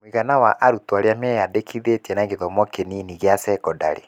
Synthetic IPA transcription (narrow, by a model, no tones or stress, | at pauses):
mwiɣanawaʔaɾutwaɾeamɛjadekʰiðetɛnaɣeðɔmɔkeniniɣeasɛkɔda̰ɾḛ